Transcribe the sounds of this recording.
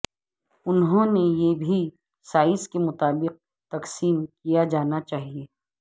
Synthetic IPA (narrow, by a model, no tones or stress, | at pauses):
ʊnɦõnejebʱi | saːɪskemʊt̪aːbɪq̚ | t̪ɐqsiːmkijad͡ʒaːnat͡ʃaːɦieː